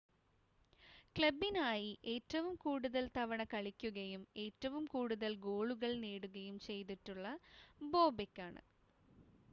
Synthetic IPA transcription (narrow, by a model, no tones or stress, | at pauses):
kɭɐbːinaːjiʔe̞ːtːɐʋumkuːɽuðɐlt̪ɐʋɐɳɐkɐɭikʲːuɣɐjume̞ːtːɐʋumkuːɽuðɐlɡo̞ːɭuɣɐɭniːɽuɣɐjumt͡ɕe̞jt̪̬iʈːuɭːɐbo̞ːbekʲːaːɳɨ̰